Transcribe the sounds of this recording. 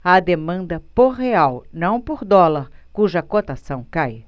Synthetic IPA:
ɐd̪emɐ̃nd̪ɐpoɦeawnɐ̃w̃poɾd̪ɔlɐɾkuʒɐkot̪asɐ̃w̃kaj

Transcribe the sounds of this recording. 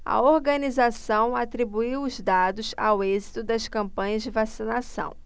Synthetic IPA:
ɐ̰oɾɡɐnizasɐ̃w̃at̪ɾibuiwʊzd̪ad̪ʊsa̰wezit̪ʊd̪ɐskɐ̃mpɐ̃ɲɐzd͡ʒɪvasinasɐ̰̃w̃

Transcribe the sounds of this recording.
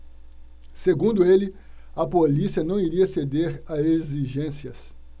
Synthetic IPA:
seɡũnd̪ʊelɪ | ɐpolisiɐnɐ̃w̃iɾiɐsed̪eɾɐeziʒẽsiɐs

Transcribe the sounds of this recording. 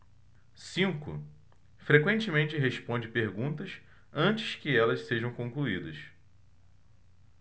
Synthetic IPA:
sĩŋkʊ̰ | fɾekwẽnt͡ʃɪmẽnt͡ʃɪɦeʃpõnd͡ʒɪpeɾɡũt̪ɐʃ | ɐ̃nt͡ʃɪskɪɛlɐsseʒɐ̃w̃kõkluid̪ɐs

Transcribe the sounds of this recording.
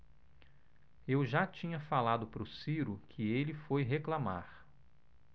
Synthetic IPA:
ewʒat͡ʃĩɲɐfalad̪ʊpɾʊsiɾʊkʰɪelɪfojɦeklama̰ɾ

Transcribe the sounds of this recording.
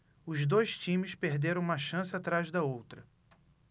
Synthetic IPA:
ʊzd̪ojʃt͡ʃĩmɪspeɦd̪eɾɐ̃w̃ũmɐʃɐ̃sɪat̪ɾazd̪ɐowt̪ɾɐ

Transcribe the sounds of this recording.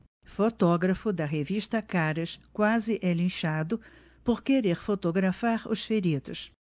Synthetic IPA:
fot̪ɔɡɾɐfʊd̪ɐɦeviʃt̪ɐkaɾɐʃkwazɪʔɛlĩʃad̪ʊ | poɾkeɾeɾfot̪oɡɾafaɾʊ̰sfeɾid̪ʊ̰s

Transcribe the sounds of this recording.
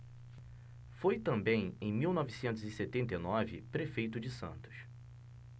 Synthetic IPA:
fojt̪ɐ̃mbẽj̃ẽj̃miwnɔvisẽnt̪ʊzɪset̪ẽnt̪ejnɔvɪ̰pɾefejt̪ʊd͡ʒɪsɐ̰̃nt̪ʊ̥ʃ

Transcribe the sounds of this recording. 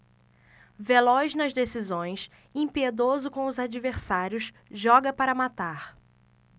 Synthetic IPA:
velɔznɐzd̪esizõj̃s | ĩpied̪ozʊkõw̃ʊzad͡ʒiveɾsaɾjʊs | ʒɔɡɐpaɾɐmat̪aɾ

